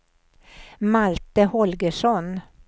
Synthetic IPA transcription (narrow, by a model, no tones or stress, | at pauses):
malt̪əhɔlɡəʂɔn